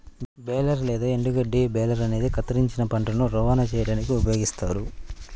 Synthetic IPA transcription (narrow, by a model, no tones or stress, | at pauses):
bɛːlɐɾlɛːd̪ɐːeɳɖuɡɐɖiːbɛːlɐɾɐne̞ːd̪ikɐt̪ɐɾiɲt͡ʃinɐpɐɳʈɐnuɾɔːʋaːnɐt͡ʃɛːjɐɽaːnikiupɐjo̞ːɡist̪aːɾu